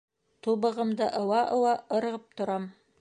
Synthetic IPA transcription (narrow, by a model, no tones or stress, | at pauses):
t̪ubɤ̆ʁɤ̆md̪ɤʔɤ̆wɑʔɤ̆wɑɤ̆ɾʁɤp̚t̪ŏɾɑm